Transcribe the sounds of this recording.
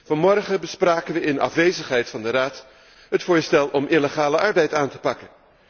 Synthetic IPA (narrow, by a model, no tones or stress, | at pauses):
vɑnmɔrχəbəspraːkənʋəɪnɑ̰fʋejzəχɦɛjtfɑndəraːt | ɦətfʊːɹstɛlˠʔɔmʔɪləχaːləʔɑɹbɛjtaːntə̥pɑkən